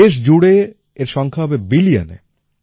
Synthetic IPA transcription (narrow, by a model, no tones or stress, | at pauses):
eʃ̬d͡ʑuɽe | eɾʃɔŋkʰaɦɔbebilia̰nḛ